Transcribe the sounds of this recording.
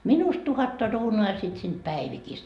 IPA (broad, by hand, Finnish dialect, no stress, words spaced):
minust tuhɑtːɑ ruːnuː jɑ sit siːnt pæiʋikist